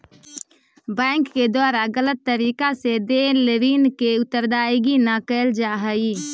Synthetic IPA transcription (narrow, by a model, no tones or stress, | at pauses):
bɛ̃ːɪŋkːed̪waːɾaɡələt̪ːəɾiːkased̪eːleʋiːnkeʊt̪ːəɾd̪aːjɡinakɛld͡ʒaːɦəi